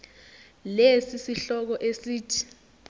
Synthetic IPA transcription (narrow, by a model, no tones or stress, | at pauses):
lesisiɬɔk̬ɔʔesiːtʰi̥